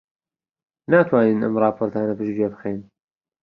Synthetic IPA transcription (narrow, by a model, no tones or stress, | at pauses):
naːt̪ʰwaːniːnɐ̰mrˤɑːpʰoːɾt̪ʰaːnɐpɨʃd͡ʒiebɨxejn